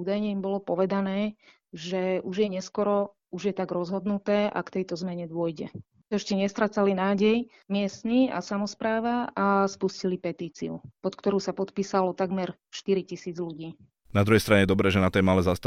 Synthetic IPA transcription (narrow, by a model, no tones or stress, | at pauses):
uːd̪ajɲɛimbɔlɔpɔʋɛd̪anɛː | ʒɛuʒjɛɲɛskɔɾɔ | uʒjɛt̪aɡɾɔzɦɔd̪nut̪ɛːʔa̰kt̪ɛjt̪ɔzmɛɲɛd̪ʊɔjɟɛ̰ | ɛʃcɛɲɛst̪ɾat͡salinaːɟɛj | mɪɛst̪nia̰samɔspɾaːʋaaspuscilipɛt̪iːt͡sḭṵpɔt̪kt̪ɔɾuːsapɔt̪piːsalɔt̪aɡmɛɾ | ʃt̪iɾicisiːd͡zluɟiː | nad̪ɾuɦɛjst̪ɾaɲɛjɛd̪ɔbɾɛːʒɛnat̪ɛjmalɛːzast̪